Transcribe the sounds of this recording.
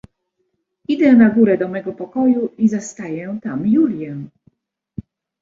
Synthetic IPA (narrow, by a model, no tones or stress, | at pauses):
id̪ɛnaɡuɾɛd̪ɔmɛɡɔpɔkɔjuizast̪ajɛt̪amjulʲjɛ